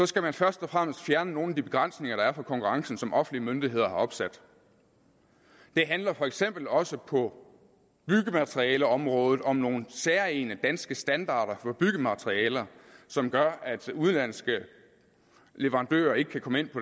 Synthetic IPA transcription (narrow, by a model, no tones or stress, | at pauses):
sɒ̽sɡ̥æmænfɶɐsd̥ɒ̽fʁam̰əsd̥fjæɐnəno̝ːn̩æd̥ib̥e̝ɡ̥ʁan̰sne̝ŋɐɾ̥ɑ̈æɐfɒ̽kʰɒ̽ŋkʰuʁɑ̈ŋsn̩sɒ̽mʔɒ̽fn̩liəmønd̥iɦe̝ð̞̰ˠɐhɑ̈ɒ̽b̥sæd̥ | d̥e̝ɦænlɐfɒ̽eɡ̥sem̰b̥l̩ɒ̽səpʰɒ̽ | b̥yɡ̥əmæt͡sʰʁiɛːləɒ̽mʁɔ̽ːðˠð̩ˠɒ̽mno̝ːnseɐe̝nəd̥ænsɡ̥əsd̥ænd̥ɑ̰̈ːɾ̥ɐfɒ̽b̥yɡ̥əmæt͡sʰʁiɛːlɐsɒ̽mɡ̥ɶɐæd̥uð̞ˠlæn̰sɡ̥ə | leʋɐʁɑ̈nd̥ø̰ːɐe̝ɡ̥əkʰækʰɒ̽məe̝n̰pʰɒ̽